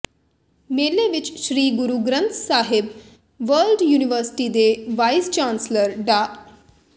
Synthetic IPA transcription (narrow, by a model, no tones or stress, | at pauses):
meleʋit͡ɕɕɾiːɡuɾuɡɾənt̪ʰsaɦeb | ʋəlɖjuːniʋəɾsi̥ʈid̪eʋajst͡ɕansləɾɖa